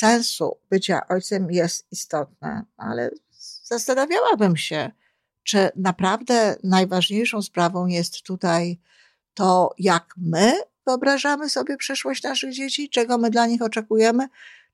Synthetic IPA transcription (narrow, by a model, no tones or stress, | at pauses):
sɛ̃ñsṵbɘt͡ɕa̰ʔɔjt̪sɛmjɛst̪ist̪ɔt̪̚na̰a̰lɛ̰ | z̥ast̪anavʲawabɘmɕɛ | t͡ʂɘnapɾavd̪ɛnajvaʐɲejʂɔ̃w̃spɾavɔ̃w̃jɛst̪ːut̪aj | t̪ɔjakmɘvɘɔbɾaʐamɘsɔbʲjɛpʂɘʂwɔɕt͡ɕnaʂɘɣd͡ʑet͡ɕit͡ʂɛɡɔmɘd̪laɲixɔt͡ʂɛkujɛmɘ